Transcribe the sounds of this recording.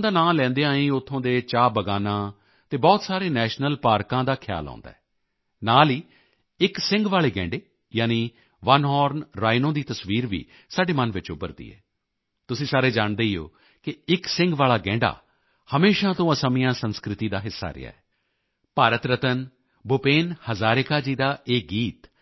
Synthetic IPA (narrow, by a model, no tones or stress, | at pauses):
d̪aːnaːlɛ̃ːnd̪eːãːĩːʊt̪ʰːõːd̪eːt͡ʃaːbəɡaːnãː | t̪eːbɔːt̪saːɾeːnɛːʃnəlpaːɾkãːd̪aːkʰɪja̰ːlɔ̰ːnd̪a̰ːɛː | naːliː | ɪksɪ̃ŋɡʋaːɭeːɡɛ̰̃ːɳɖeː | jaːniː | ʋənɦɔːɾnɾaːinõːd̪iːt̪əsʋiːɾʋḭː | saːɖeːmənʋɪt͡ʃʊbəɾd̪ḭːɛ̰ː | t̪ʊsĩːsaːɾeːd͡ʒaːɳd̪eːijo̰ː | kɪɪksɪ̃ŋɡʋaːlaːɡɛ̃ːɳɖa̰ː | həmeːʃãːt̪õːəsamɪjãːsənskɾɪt̪iːd̪aːɦɪsːa̰ːɾɪ̰ja̰ːɛː | paːɾət̪ɾət̪ən | bʊpeːnhəzaːɾɪkaːd͡ʒiːd̪aːʔeːɡiːt̪